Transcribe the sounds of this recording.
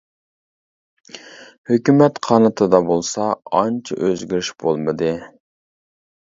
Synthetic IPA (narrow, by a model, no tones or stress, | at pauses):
høkʲymɛt̪qʰɑnɨt̪ʰɨd̪ɑbolˠsɑɑnt͡ʃʰɪ̰ʔøzɡʲyɾyʃb̥olˠmɨd̪ɨ